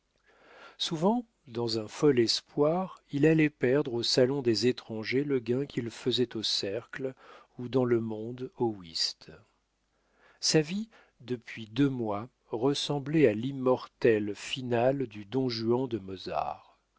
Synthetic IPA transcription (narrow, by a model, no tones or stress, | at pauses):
suvɑ̃ | d̪ɑ̃zɛ̃fɔlɛspwaʁilalɛpɛʁd̪ʁosalɔ̃d̪ezet̪χɑ̃ʒeləɡɛ̃kʰʲilfəzɛt̪osɛʁkl | ud̪ɑ̃ləmɔ̃d̪owist̪ | savi | d̪əpɥid̪ømwa | ʁəsɑ̃blɛalimːɔʁt̪ɛlfinald̪yd̪ɔ̃ʒyɑ̃d̪əmɔza̰ʁ